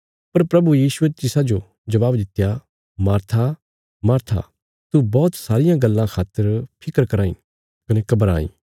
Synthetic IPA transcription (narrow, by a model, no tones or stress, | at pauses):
pɐɾpɾɐbujiːsuet̪ɪsad͡ʒo | d͡ʒɐʋaːbd̪ɪt̪ja | maːɾt̪ʰa | maːɾt̪ʰa̰ | t̪ubɔːt̪saːɾɪjãɡɐlːãkʰaːt̪ːəɾpʰɪkəɾkɐɾaːḭ̃ | kɐnekɐbəɾa̰ːḭ̃ː